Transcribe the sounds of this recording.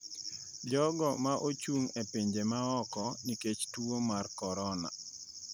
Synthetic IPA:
d͡ʒɔɡɔmaʔot͡ʃuŋepeɲd͡ʒemaɔkɔniket͡ʃtuomarkɔɾɔna̰

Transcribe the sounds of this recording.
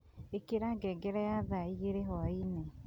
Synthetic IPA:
ekiɾaɡɛɡeɾajaðaiɣeɾeɦɔaine

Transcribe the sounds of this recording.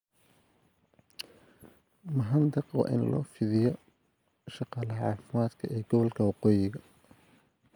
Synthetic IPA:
mɐɦɐnd̪ɑqɔ̰ʔɪ̰nlɔ̰ːfɪðɪjɔ | ʃɑqɑːlɐʕɑːfɪmaːd̪kʰɐʔɛːɡɔβɔlkʰɐwɑqɔːjɪɣɐ

